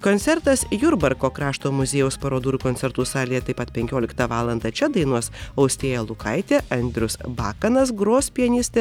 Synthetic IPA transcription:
koːnʲt̪sʲɛɾt̪ɐsjʊɾbɐɾkoːkɾɑːʃt̪oːmʊzʲeːjɛʊspɐɾoːd̪uːɾʲuːkoːnʲsʲɛɾt̪uːsɑːlʲiːjɛt̪ɐɪpɐt̪pʲɛŋʲkʲoːlʲɪkt̪ɐʋɑːlˠɐnd̪ɐt͡ʃʲɛd̪ɐɪnuɔsɐʊsʲt̪ʲeːjɛlˠʊkɐɪt̪ʲeːʔɐnʲd̪ʲɾʲʊsbɑːkɐnɐs̬ɡɾoːsʲpʲiɛnʲɪsʲt̪ʲe

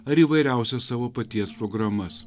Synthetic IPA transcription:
əɾiʋəjɾawsəsəʋəpət̪iaspɾoɡɾaməs

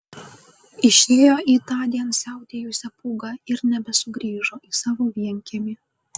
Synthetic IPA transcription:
ɪʃʲeːjoːʔiːt̪ɑːd̪ʲiɛnsʲæˑʊt̪ʲeːjʊsʲɛpuːɡɑɪɾnʲɛbʲɛsʊɡɾʲiːʒoːʔiːsɑːʋoːʋʲiɛŋʲkʲɛmʲi

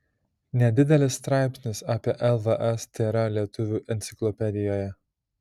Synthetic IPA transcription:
nʲɛd̪ʲɪd̪ʲɛlʲɪsːt̪ɾɑˑɪpʲsʲnʲɪsɑːpʲiɛʔɛlˠʋɐʔɛst̪ʲeːɾɐlʲiɛt̪ʊʋʲuːʔɛnʲt̪sʲɪklˠɔpʲɛd̪ʲɪjoːjɛ

